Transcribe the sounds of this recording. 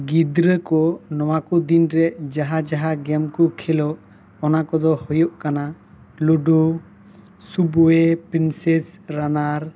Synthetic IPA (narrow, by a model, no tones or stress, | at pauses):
ɡid̪ɾəkɔnɔwakɔd̪inɾɛd͡ʒaɦad͡ʒaɦaɡɛmkɔkʰɛlɔʔ | ɔnakɔd̪ɔhɔjɔʔkana | luɖu | subɔɛpɾinsɛsɾanaɾ